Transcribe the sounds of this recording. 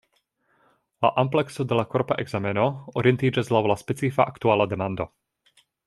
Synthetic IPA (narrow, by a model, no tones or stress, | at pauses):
la̰ʔamplɛksɔd̪ɛlakɔɾpa̰ʔɛɡzamɛnɔɔɾiɛnt̪id͡ʒazlaʋɔlaspɛt͡sifa̰ʔakt̪uaːlad̪ɛmand̪ɔ